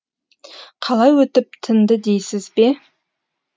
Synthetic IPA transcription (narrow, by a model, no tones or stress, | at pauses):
qʰɑlˠɑjwɵt̪ɪp̚t̪ʰɪnd̪əd̪e̞jsɪzbe̞